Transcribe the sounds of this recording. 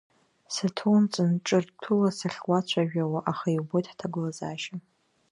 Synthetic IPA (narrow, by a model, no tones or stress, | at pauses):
satʰont͡sʼɨnʈ͡ʂʼɨrtʰulasaɬwʷat͡ɕʷʰaʒᶣʷawaʔaχaiwbojtħtʰaɡʷʊlazaːʃa